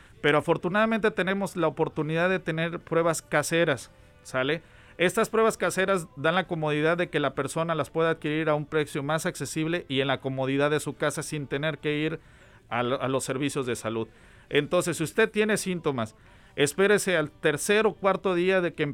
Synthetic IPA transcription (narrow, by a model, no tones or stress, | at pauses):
pe̞ɾo̞afo̞ɾt̪unaðamẽnt̪e̞t̪e̞ne̞mo̞zlaopo̞ɾt̪uniðaððe̞t̪e̞ne̞ɾpɾwe̞βaskase̞ɾasː | ale̞ | e̞st̪aspɾwe̞βaskase̞ɾazðanlako̞mo̞ð̞iðaðːe̞ke̞lape̞ɾso̞nalaspwe̞ðaːðkiɾiɾaumpɾe̞sjo̞masakse̞siβ̞le̞ʔie̞nlako̞mo̞ð̞iðaððesukasasint̪e̞ne̞ɾke̞iɾ | aalo̞sːe̞ɾβisjo̞zðe̞saluð | ent̪o̞ns̬e̞sːiust̪e̞t̪je̞ne̞sint̪o̞mas | espe̞ɾesealt̪e̞ɾse̞ɾokwaɾt̪o̞ðiaðe̞kem